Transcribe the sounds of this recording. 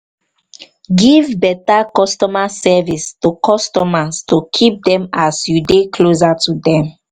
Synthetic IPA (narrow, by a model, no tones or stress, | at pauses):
ɡivbɛtakɔstɔmasɛvistukʰɔstɔmastukʰip̚dɛ̃masjudekʰlozatudɛ̃m